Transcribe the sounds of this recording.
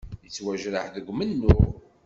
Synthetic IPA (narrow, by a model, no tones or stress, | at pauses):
jət͡sːwæʒɾəħðəɡʷmənːʊ